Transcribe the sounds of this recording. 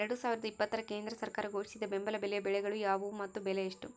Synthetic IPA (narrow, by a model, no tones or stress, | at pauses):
ɾɐɽusaːʋiɾɐd̪ɐipːɐt̪ːɐɾɐke̞ːnd̪ɾɐsɐɾkaːɾɐɡo̞ːʂisid̪ɐbembɐlɐbɛlɛjɐbɛɭɛɡɐɭujaːʋumɐt̪ːubɛlɛjiʂʈu